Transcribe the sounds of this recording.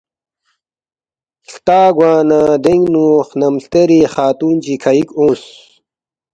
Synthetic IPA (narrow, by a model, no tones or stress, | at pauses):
ɬt̪aːɡwaːnãːd̪eŋɡnuːχnɐmɬt̪eɾiχaːt̪uːnt͡ɕikʰɐikõːs